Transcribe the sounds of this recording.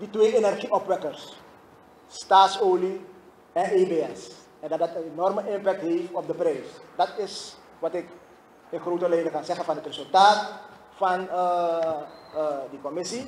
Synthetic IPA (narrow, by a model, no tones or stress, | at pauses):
ditʋeːʔenɛrχiʔɔpʋɛkərsː | taːtsoːli | ɛnʔeːbeːɛs | ɛndɑtdɑtənenɔrməʔɪmpɛk̚tɦeːftɔp̚dəprɛjsdɑtɪs | ʋɑtɪk | ɪnxroːtəlɛjdəkɑnzɛχənfɑnətresɵlˠtaːt | fɑn | dikɔmɪsi